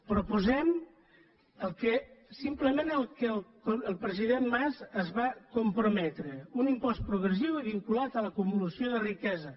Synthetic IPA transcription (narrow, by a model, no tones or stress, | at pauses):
pɾupuzɛm | əlˠkəsimpləmenəlˠkəlˠkoəlˠpɾəziðenmazəzβakumpɾumɛt̪ɾəunimpɔs̚pɾuɣɾəs̬iwiβ̞iŋkulat̪ələkumuləsioðərikɛzə